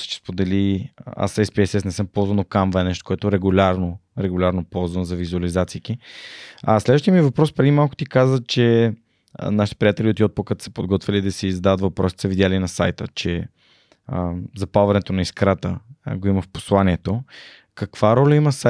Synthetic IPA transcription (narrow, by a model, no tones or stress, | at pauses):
t͡ʃɛ̥spod̪ɛlia̰sɛspiɛsɛsnɛsəmpɔlˠzvənokamvɐɛnɛʃt̪o̥koɛt̪oɾɛɡulʲaɾnoɾɛɡulʲaɾnopɔlˠzvənzɐvizuɐlizat̪sik̪i | ɐslɛd̪əʃt̪ijəmivɐpɾɔspɾɛd̪imalˠkʊ̥t̪ikazvət̪̚t͡ʃɛ̰ | naʃit̪ɛpɾijat̪ɛliot̪iɔt̪̚pokət̪sə̥pod̪ɡɔt̪vʲəlid̪ɐsiːzɐd̪aðət̪vɐpɾɔsi̥t̪səvid̪ʲjalinɐsa̰jt̪ə̰t͡ʃɛ | əzɐpalˠvɐnɛt̪onɐiskɾat̪ə̰ɡoiməfpo̥slˠaniɛt̪o | kɐkv̥aɾɔlʲɐimɐsa